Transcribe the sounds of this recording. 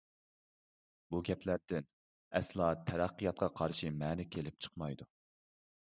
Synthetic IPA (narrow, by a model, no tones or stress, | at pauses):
buɡʲɛpʰlæɾd̪̥ɪn | ɛslˠɑt̪ʰɛɾæqːijɑt̪̚qʰɑqʰɑɾʃimɛːnɪkʲʰelɪp̚t͡ʃʰə̥qmɑjd̪u